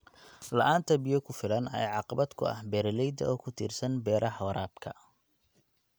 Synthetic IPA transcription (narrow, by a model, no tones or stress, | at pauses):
lɐʔaːnt̪ʰɐbɪjɔkʰʊfɪlɐnɐ̰jʕɑqɑβɐd̪kʰʊ̰ɐ̰hbɛɾɐlɛjd̪ɐ̰ʔɔːkʰʊt̪ʰḭːrsɐnbɛːɾʔɐħɐwɾaːbkʰɐ̰